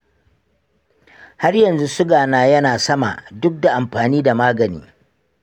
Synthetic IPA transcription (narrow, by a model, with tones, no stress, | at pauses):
ha˦rjɐ˨nzu˦sʊ˦ɡaː˨naː˦jɐ˦naː˨sɐ˦ma̰˨dʊ˦k̚da˨ʔa˨mɸaː˨niː˦da˨maː˦ɡɐ˨nḭː˦